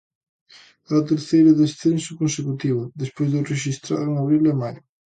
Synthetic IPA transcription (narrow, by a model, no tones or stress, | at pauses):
aat̪eɾθejɾʊðesθensʊkonsekut̪iβʊðespojzðʊreʃist̪ɾa̰ðʊeŋaβɾilemaj